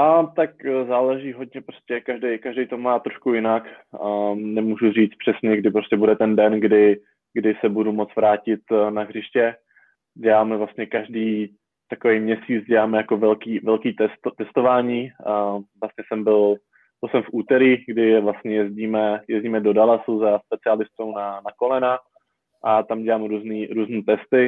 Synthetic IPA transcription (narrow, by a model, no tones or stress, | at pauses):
ʔat̪akzaːlɛʒiːɦo̞dɲɛpɾoscʲɛkaʒdɛjkaʒdɛjt̪o̞maːt̪ɾo̞ʃkujɪnakː | nɛmuːʒuriːt͡s̪pr̝̥ɛsɲɛɡdɪpɾo̞scɛbudɛt̪ɛndɛnɡdɪ | ɡdɪsɛbudumot͡svɾaːcɪt̪naɦrɪʃcɛ | ɟɛlaːmɛvlast̪ɲɛkaʒdiː | t̪akovejmɲɛsiːt͡sɟɛlaːmɛjako̞vɛlkiːvɛlkiːt̪ɛst̪t̪ɛst̪o̞vaːɲiː | vlast̪ɲɛsɛmbɪl | b̥ɪlsɛmfʔuːt̪ɛɾiːɡdɪvlast̪ɲɛjɛzɟiːmɛjɛzɟiːmɛdodalasuzaspɛt͡sɪalɪst̪ownanakolɛna | ʔat̪amɟɛlaːmɾuːzniːɾuːzniːt̪ɛst̪ɪ